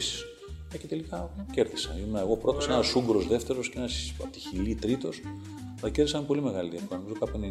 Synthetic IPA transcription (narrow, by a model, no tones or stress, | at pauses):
si̥s | ecet̪e̞likɐceɾðisɐ̰imenɐeɣo̞pɾo̞t̪osenɐsuŋɡɾo̞zðeft̪e̞ɾosceenɐsɐt̪içilit̪ɾit̪o̞s | ðɐcɾðisɐmpo̞lime̞ɣɐlit̪iefkoɐnomizokɐpene